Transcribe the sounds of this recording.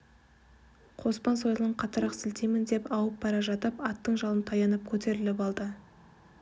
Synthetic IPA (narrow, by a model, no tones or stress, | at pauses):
qʰo̞spɑnso̞jlˠəɴqʰɑt̪əɾɑqsɪlt̪emɪnd̪e̞pɑwəp̚bɑɾɑʒɑt̪əpɑt̪ːəɴʒɑlˠənt̪ʰɑjɑnəp̚kʲʰɵt̪e̞ɾɪlɪpɑlˠd̪ə